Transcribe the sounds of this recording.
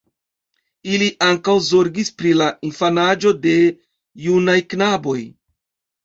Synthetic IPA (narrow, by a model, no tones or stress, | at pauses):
iliʔaŋkawzo̞ɾɡispɾilainfanad͡ʒo̞de̞ | junajknabo̞j